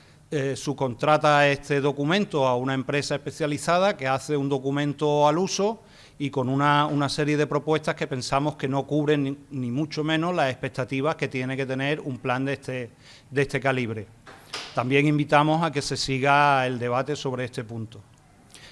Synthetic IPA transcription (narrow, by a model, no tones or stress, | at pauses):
esuko̞nt̪ɾat̪ae̞st̪e̞ðo̞kumẽ̞nt̪oaunaempɾe̞saepe̞θjaliθað̞ake̞aθe̞und̪o̞kumẽ̞nt̪oaluso̞ | iko̞nũnaunase̞ɾje̞ð̞e̞pɾo̞pwe̞st̪ahke̞pe̞nsamo̞hke̞no̞kuβɾe̞ŋnːĩmũt͡ʃo̞mẽ̞no̞ɦlase̞hpe̞k̚t̪at̪iβ̞ake̞t̪je̞neke̞t̪e̞ne̞ɾumpland̪et̪e | d̪est̪e̞kaliβ̞ɾe̞ | t̪ambje̞ŋĩmbit̪amo̞sake̞se̞siɣae̞ld̪e̞β̞at̪e̞so̞β̞ɾee̞st̪e̞punt̪o